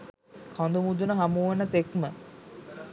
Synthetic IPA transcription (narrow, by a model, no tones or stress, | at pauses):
kʰɔnd̪umud̪unəɦamuʋenːət̪ekmə